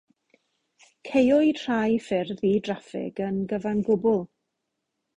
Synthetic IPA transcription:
kʰejɔitr̥ajfɪrðidrafɪ̰ɡənɡəvanɡʊbʊlˠ

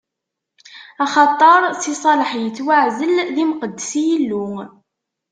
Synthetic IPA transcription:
ɑχɑt̪ˤːɑɾˤsisˤɑləħjət͡sːwaʕzəlðimqəd̪ːəsijəlːu

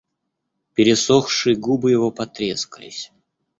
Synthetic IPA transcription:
pʲɪɾʲɪsoxʂɨjɡubɨjɪvopɐt̪ɾʲeskəlʲɪ̰sʲ

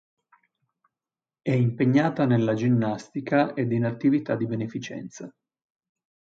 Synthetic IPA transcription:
ɛimpeɲːaːt̪anelːad͡ʒinːast̪ikaʔed̪inat̪ːivit̪ad̪ːibenefit͡ʃɛ̰nt̪sa

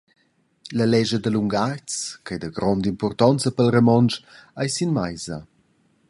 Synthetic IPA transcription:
ləlɛʒəd̪əluŋɡart͡skajd̪əɡɾɔnd̪impɔrt̪ɔnt͡səpəlrəmɔnt͡ʃajsinmajzə

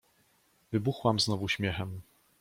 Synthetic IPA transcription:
vɘbuxwamznɔvuɕmʲjɛxɛm

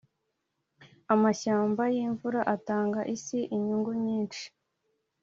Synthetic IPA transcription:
amaʃaːmbajiɱvuɾaʔataːŋɡaʔisiʔiɲuŋɡuɲiːnt͡ʃi̥

